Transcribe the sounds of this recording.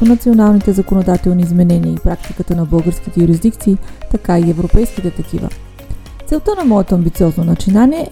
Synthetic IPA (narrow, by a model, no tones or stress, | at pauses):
onɐt̪sionalˠnit̪ɛzɐkonod̪at̪ɛlˠniːzmɛnɛniəipɾak̚t̪ikət̪ənɐbɤlˠɡəɾskit̪ɛjuɾizd̪ikt̪siːt̪ɐkaiɛvɾopɛjsk̟it̪ɛt̪ɐk̟ḭvə̰ | t̪sɛlˠt̪ənɐmɔɛt̪oɐmbit̪siɔznonɐt͡ʃinaniɛ